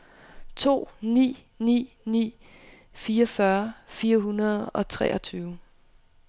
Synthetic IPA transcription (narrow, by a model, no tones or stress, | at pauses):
t͡sʰo̝̰ːnḭː | nḭː | nḭː | fiːɐfɶɐfiːɐɦunɐð̞ˠɒ̽t͡sʰʁɛ̰ʔɐt͡sʰyːʊ